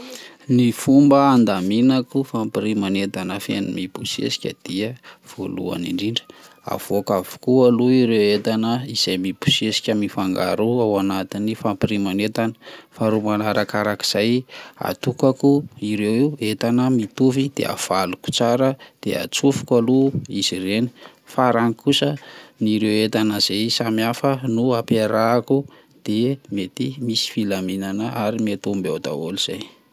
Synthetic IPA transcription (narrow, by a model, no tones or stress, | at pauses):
nifumbəːnd̪aminakufampiɾimanet̪anəfḛnumib̥usḛsi̥kʲəd̪̥iəv̥o̰lṵa̰nḭɳɖ͡ʐiɳɖ͡ʐə̥ | a̰v̥okavu̥kualuiɾewet̪anəiz̥ajmibu̥siesi̥kʲəmifaŋɡa̰ɾuawanat̪inifampiɾimanet̪anə̥faɾumanaɾakaɾaki̥z̥aja̰t̪ukakuiɾewiuet̪anəmit̪ufid̪̥ḛa̰v̥aluku̥t͡saɾəd̪̥ea̰t͡sufi̥kaluiz̥ireni̥ | faɾaŋikusəniɾewet̪anəz̥ejsamiafənuapeɾaku | d̪̥emet̪imisi̥filaminanəʔaɾimet̪umba̰wd̪a̰oliz̥aj